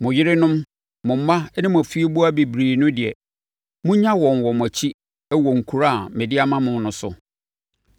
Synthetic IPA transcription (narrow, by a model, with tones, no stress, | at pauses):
mʊ̃˨jɪ˦ɾɪ˦nʊ̃˦m | mʊ̃˨m̩˦mã˦nɪ̃˦m̃˨fi˦e˦bu˦a˦bi˨bɾiː˨nʊ̃˦dɪ˨ɛ̰˨ | mʊ̃˦ɲã˦wɔ̃˨n˨wɔ˨m˨æ˨t͡ɕʰi˦ | ɛ˦wɔ˨ŋ̩˨kʰu˨ɾa˦˨mɪ̃˨dɪ˦a˦mã˦mʊ̃˨nʊ̃˨˦sʊ̰˨